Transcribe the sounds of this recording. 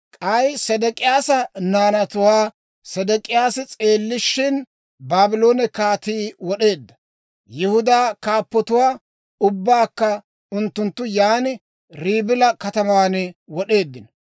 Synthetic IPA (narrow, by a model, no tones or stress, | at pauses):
kʼɐjsɛd̪ɛkʼɪjaːsɐnaːnɐt̪ʊwaː | sɛd̪ɛkʼɪjaːsɪt͡sʼe̞ːlːɪʃːɪn | baːbɪlo̞ːnɛkaːt̪iːwɔɗe̞ːd̪ːɐ̥ | jɪhʊd̪aːkaːpːɔt̪ʊwaː | ʊbːaːkːɐ | ʊnt̪ːʊnt̪ːʊjaːnɪ | ɾiːbɪlɐkɐt̪ɐmaːnwɔɗe̞ːd̪ːɪn